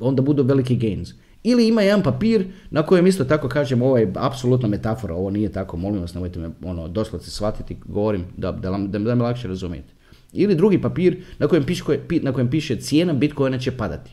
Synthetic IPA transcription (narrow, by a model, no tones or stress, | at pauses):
o̞nd̪abud̪uːʋe̞likiɡejnz | iliimajed̪anpapiːɾnʔako̞jemist̪ot̪ako̞kaːʒemo̞ʋojeapsolut̪name̞t̪afo̞ɾao̞ʋonijet̪akomo̞limʋasne̞mojt̪emio̞nod̪o̞slod̪se̥sʋat̪it̪iɡoʋoɾimd̪ad̪alad̪ad̪amilakʃeɾazumijḛt̪ | ilid̪ɾuɡipapiːɾnakojempiʃkopinako̞jempiːʃet̪sjeːnabit̪ko̞janet͡ɕepad̪a̰t̪i̥